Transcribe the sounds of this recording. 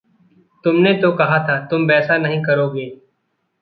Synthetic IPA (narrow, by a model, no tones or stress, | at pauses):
t̪ʊmnet̪okɐɦat̪ʰat̪ʊmbɛːsanɐɦĩkɐɾoːɡeː